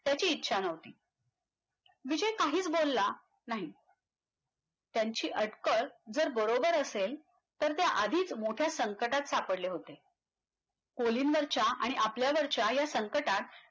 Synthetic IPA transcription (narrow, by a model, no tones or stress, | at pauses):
t̪jat͡ɕiːtːɕʰanəʋt̪iː | ʋid͡ʑəjkaɦiːt͡sbolːa | naɦi | t̪jaɲt͡ɕiːʔəʈkəɭd͡zəɾbəɾobəɾəsel | t̪əɾt̪jaʔad̪ʱiːt͡smoʈʰjasəŋkəʈat̪sapəɽleɦot̪e | koliːnʋəɾt͡ɕaaɽ̃iʔapljaʋəɾt͡ɕajasəŋkəʈat̪̚